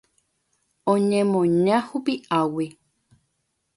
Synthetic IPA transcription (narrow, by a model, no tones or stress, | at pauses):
õɲẽmõɲãhupiʔawi